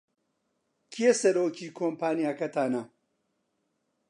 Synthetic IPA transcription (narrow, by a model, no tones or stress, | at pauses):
kʰiesɐɾoːkʰiːkʰoːmpʰaːnjaːkɐt̪ʰaːnɐ